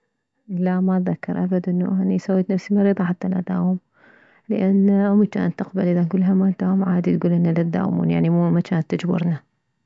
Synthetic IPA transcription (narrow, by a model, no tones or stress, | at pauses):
lamat̪ðakːɑɾˤʔabad̪ʔɪnːṵʔanisawːeːt̪nafsimɑɾiːðˤɑħat̪ːalʔad̪a̰ːwʊm | ləʔanːʔʊmt͡ʃa̰ːnt̪ːɪqbalʔɪðanɡuːlːɦamaʔnd̪aʊmʕaːd̪it̪ɡuːlʔɪnːalad̪ːa̰ːwmṵːnja̰ʕnimuːmat͡ʃaːnt̪ːɪd͡ʒbʊ̰ɾˤna